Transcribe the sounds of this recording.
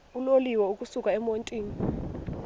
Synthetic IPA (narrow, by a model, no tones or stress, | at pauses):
uloliwɛuk̬ʼusukʼaɛmontʼiːni